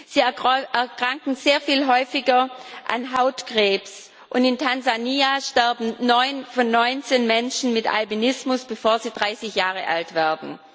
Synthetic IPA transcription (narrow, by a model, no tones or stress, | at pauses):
z̥iːʔɛɐkʁ̥aŋkŋ̩z̥eːɐfiːlɦɔʏfɪɡɐʔa̰nɦaʊtkʁ̥eːps | ʔʊndɪntʰanzaniːaʃtɛɐbm̩nɔʏnfɔnːɔʏnt͡senmɛnʃn̩mɪta̰lbinɪsmʊsb̥əfoːɐziːdʁaɪsɪçjaːʁəʔa̰ltv̥ɛːɐdn̩